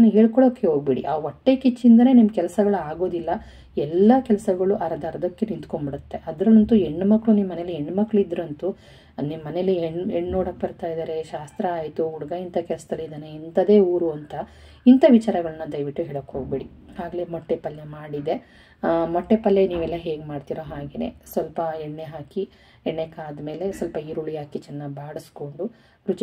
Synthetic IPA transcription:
nɦeːɭkɔɭoːkːeɦo̞ːɡ̚beɽḭʔaːʋɔʈːeːkit͡ʃːind̪ɐne̞ːnimɐkɛlɐsɐɡɐɭuaːɡo̞ːd̪ilːɐ | ɛlːɐkɛlɐsɐɡɐɭuʔɐɾɐd̪ɐɾd̪ɐkːenint̪koɳbiɽut̪ːe̞ʔɐd̪ɾɐlɐnt̪ueɳːmɐkːɭunimːɐnelːieɳːmɐkːɭuid̪ɾɐnt̪u | nimːɐnelːieɳeɳːoːɽɐk̚ːbɐɾt̪aːjd̪aːɾeʃaːst̪ɾɐaːjt̪uːɽɐɡɐint̪ɐkɛlɐsɐd̪ɐlːid̪aneint̪ɐd̪e̞ːuːɾuɐnt̪ɐ | int̪ɐʋit͡ʃaːɾɐɡɐɭɐnːɐd̪ɐjʋiʈːuɦɛːɭɐkːɦo̞ːɡ̚beɽi | haːɡɐlemɔʈːepɐlːemaːɽid̪e̞ | mɔʈːepɐlːeniːʋɛlːɐɦeːɡemaːɖt̪iːɾoɦaːɡeːnḛːsʋɐlpɐeɳːeɦaːki | eɳːekaːd̪me̞ːle̞sɐlpɐiːɾuɭijaːkit͡ʃɛnːɐbaːɽusko̞ɳɖu | ɾut͡ʃ

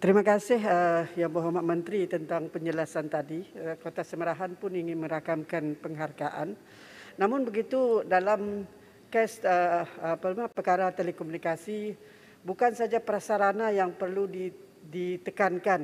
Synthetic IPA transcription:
t̪əɾimakasɪɦəjaŋbəɦomaʔmə̃nt̪ɾit̪ənt̪aŋpəɲd͡ʒəlasant̪adikot̪asəməɾaɦanpʊniŋɪnmə̃ɾakamkanpəŋɦarɡaʔa̰nː | amʊnbəɡit̪udalam | kɛsəapəlmapərkaɾat̪elɛkɔmunikasi | bukansad͡ʒapəɾasaɾanajaŋpərludi | dit̪əkankan

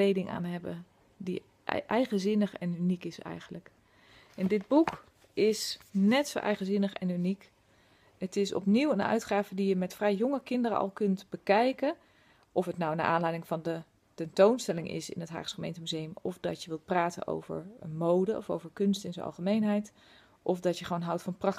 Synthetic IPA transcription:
klejdɪŋʔa̰ːnɦɛbə̰ | dḭ | ʔɛjχəzɪnəχɛ̰nynikɪsɛ̰jχənlək | ɛndɪd̚buk | ɪsnɛtsowʔɛ̰jχənzɪnəχɛ̰nynik | ətɪsɔ̰pniwənœ̰ɥtχaːvədijəmɛtfrɛjːʊŋəkɪndəɾə̰ʔɑ̰lˠkɵntbəkɛjkə | ʔɔfɦətnawnaʔaːnlɛjdɪŋvɑndə | tɛntownstɛlɪŋʔɪ̰sɪ̰nətɦa̰ːχsχəmejntəmyzejəmɔfdɑtjəʋɪlˠt̚praːtə̰nʔo̰wvə̰ɹmowdəɔ̰fo̰wvəɹkɵnstɪnzo̰nɑ̰lˠχəmejnɦɛjt | ʔɔfdɑtjəχəʋoːnɦɑwtfɑnprɑk

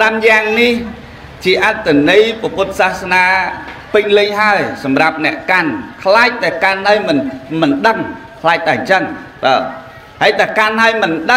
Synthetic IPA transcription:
ramjaːŋnih | t͡ɕiəʔat̪ʰːanɨjpɔpʊt̪̚saːhsnaː | pɨɲlɨɲɦaəjsɑmrap̚nɛ̆əʔkankʰlaːc̚t̪aɛkanhaəjmɨnmɨnɗəŋkʰlaːc̚t̪aɛt͡ɕənɗɔː | haəjt̪akanɦaəjmɨnɗə

